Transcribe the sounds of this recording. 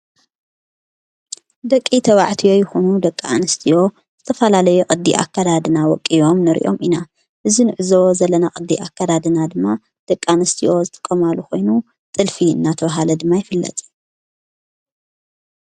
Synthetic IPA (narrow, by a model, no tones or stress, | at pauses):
d̪ɐkʼːit̪ʰɐβaʕt̪ʰijo̞jɨxonud̪ɐkʼːaanɨst̪ʰijo̞ | z̥ɨt̪ʰɐfɐlalɐjuʔʼɨd̪ːḭʔa̰kːad̪ad̪ɨnawɔkʼːijo̞mnɨɾḭʔo̞̰mʔina | ʔɨzinɨʕɨzɐwozɐlːɐnakʼɨd̪ːḭʔakːad̪ad̪ɨnad̪ɨmːa | d̪̥ɐkʼːanɨst̪ʰiʔo̞zɨt̪ʼɨ̥kʼːɐmaluko̞jnu | t̪ʼɨlfiɨ̰nːat̪ʰɐβaɦalɐd̪ɨmːajɪfɨlːɐ̰t̪ʼ